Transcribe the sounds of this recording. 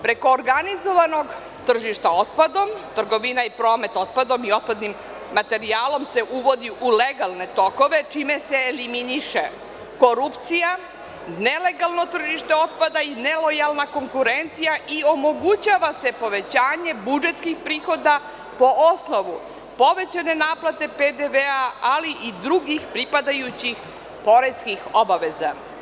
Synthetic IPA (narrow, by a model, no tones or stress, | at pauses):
pɾe̞ko̞ːɾɡanizo̞ʋano̞ɡ | t̪r̩ʒiʃt̪ao̞t̪̚pad̪o̞mt̪r̩ɡo̞ʋinaipɾo̞ːme̞t̪o̞t̪̚pad̪o̞mio̞t̪̚pad̪nimː | at̪e̞ɾiaːlo̞mse̞ʔuʋo̞d̪iʔuleɡalˠne̞t̪o̞ko̞ʋe̞t͡ʃime̞se̞ːliminiʃḛ | ko̞ɾupt̪sija | nele̞ɡalˠno̞t̪r̩ʒiʃt̪eo̞t̪̚pad̪aine̞lo̞jalˠnako̞ŋkuɾent̪sijaʔio̞mo̞ɡut͡ɕaʋase̞po̞ʋe̞t͡ɕaːɲe̞bud͡ʒe̞t̪skixpɾiːxo̞d̪a | po̞ʔosno̞ʋu | po̞ʋe̞t͡ɕane̞naːplˠat̪e̞ped̪eʋeaaliʔid̪ɾuɡixpɾipad̪ajut͡ɕix | po̞ɾe̞skixo̞baʋeza̰